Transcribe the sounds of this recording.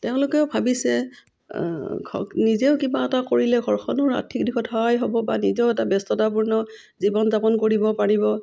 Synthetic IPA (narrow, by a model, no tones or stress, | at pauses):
tɛʊ̃lʊkɛʊbʱabisɛ | ɡʰɔ̰nizeʊkibaɛtakoɹilɛɡʱɔɹxɔnɔɹa̰tʰikdixɔtɦɔjɦɔbɔbanizɔɛtabɛstɔtap̬uɹnɔ | zibɔnzapɔnkoɹibɔpaɹibɔ